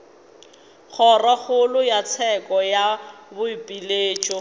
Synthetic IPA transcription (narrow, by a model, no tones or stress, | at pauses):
k͡xʰɔraχʰʊlʊjat͡sʰɛkʼɔjabʊipʼileːt͡ʃʼɔ